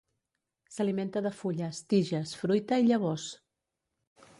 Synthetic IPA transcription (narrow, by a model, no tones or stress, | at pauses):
səliment̪əðəfuʎəst̪iʒəsfɾujt̪əiʎəβ̞ɔs